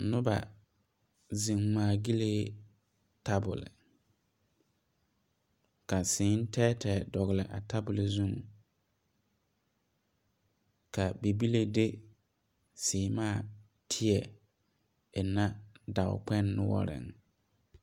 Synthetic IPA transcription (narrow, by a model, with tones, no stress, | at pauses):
nʊ˦ba̰˨ | zĩ˨ŋ˨maː˨ɡi˦le˦ | tʰa˦bʊ̰˨lɪ̰˨ | ka˨sɪː˨˦n̩˦tʰɛː˦tʰɛ˨dɔ˨ɣɪ˨lɪ˨ʔa̰˨tʰa˦bʊ˨lzũ˦ŋ | ka˨be˨bi˦le˦de˦ | sɪː˨˦maː˦˨ | tʰɪ˦ɛ˨ | ɛ˨na˦da˨ʊ̰˨k͡pɛ˦nːʊ˦wɔ̰˦ɾɪ̰˨ŋ